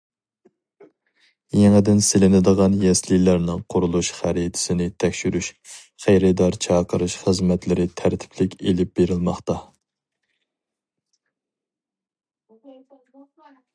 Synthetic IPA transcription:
jeŋɪd̪ɪnsɪlɪnɪd̪əʁɑnjɛslilæɾnɨŋqʰʊɾulˠuʃχæɾit̪ʰɪ̥sɪnɪt̪ʰɛkʲʃyɾyʃ | χæjɾɪd̪ɑɾt͡ʃʰɑqəɾɨʃχəzmɛt̪lɪɾɪt̪ʰæɾt̪ʰɪ̥pʰlɪkʲelɪp̚b̥eɾɪlˠmɑχt̪ɑ

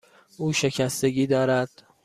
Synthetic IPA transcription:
ʔuːʃe̞cʰæst̪eɡiːd̪ɒːɾæd̪̥

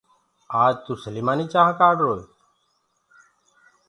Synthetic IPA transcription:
aːd͡ʒt̪uːsəliːmaːniːt͡ʃaːɦkaːɖɾoːe

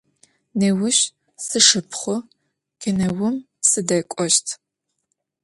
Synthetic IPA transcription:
neːwʊɕ | sɨʂɨpʰχʷʊ | kʲɪnɐwʊm | sɨdɐkʷʼɔʃtʰ

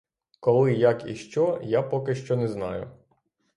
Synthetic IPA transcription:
kɔlˠɪjakḭʃt͡ʃɔjapɔkɪʃt͡ʃɔnɛznɑ̰jʊ

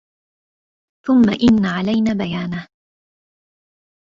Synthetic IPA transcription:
θʊmːaʔɪnːaʕalajnaːbajaːnaː

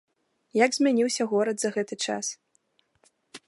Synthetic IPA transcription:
jaɡzʲmʲanʲiwsʲɐɣɔɾɐd̪zɐɣɛt̪ɨt͡ʂa̰s

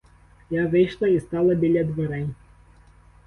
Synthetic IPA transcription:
jaʋɪjʂlˠɐist̪ɑlˠɐbʲilʲɐd̪ʋɔɾɛjʲ

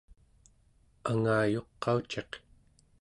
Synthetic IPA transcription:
aŋaːjo̞qːɑut͡ʃe̞q

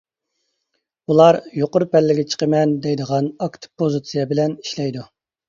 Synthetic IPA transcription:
ulˠɑɾjoqʊɾpɛlːɪɡʲɛt͡ʃʰə̥qəmɛnd̪ɛjd̪əʁɑnɑkt̪ʰɨ̥pʰozɨt̪sijɛbɪlɛni̥ʃlɛjd̪u

